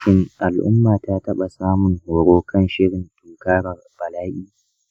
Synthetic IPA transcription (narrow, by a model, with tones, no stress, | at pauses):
ɪ˦ŋʔa˨lʔʊ̰˦mːaː˨taː˦tɐ˦ɓa˨saː˦mʊ˨ŋhoː˨ɽoː˦kʰɐ˦nʃɪ˦ɽɪ˨ntʊ˦ŋkaː˦ɽɐ˨rb̥ɐ˨laː˦ʔʲiː˦